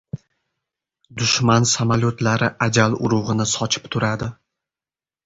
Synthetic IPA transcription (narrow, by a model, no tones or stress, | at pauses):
d̪ʊʃmansamalʲjot̪laɾɪʔad͡ʒalʊɾʊʁɨnɪsɒt͡ʃʰɪ̥pt̪ʰʊɾad̪ɪ